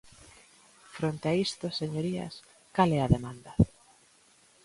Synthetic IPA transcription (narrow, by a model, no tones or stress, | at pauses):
fɾont̪eaist̪oseɲoɾiɐ̰s | kalɛɐðemand̪ɐ